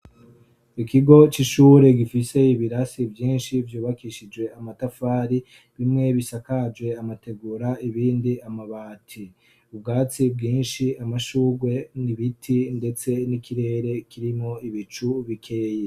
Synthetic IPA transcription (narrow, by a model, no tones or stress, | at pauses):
ikiɡo̞t͡ʃiʃuːɾe̞ɡifise̞iβiɾasivjiːnʃivjuːβakiʃid͡ʒwe̞amatafaːɾi | βimŋe̞βisakad͡ʒɡwe̞amate̞ɡuːɾaiβiːndiamaβaːtʰi | ubɡaːt͡sibɡiːnʃiamaʃuːɡwe̞niβitʰinde̞t͡se̞nikʰiɾe̞ːɾe̞kiɾimŋo̞iβit͡ʃuβikʰe̞ːje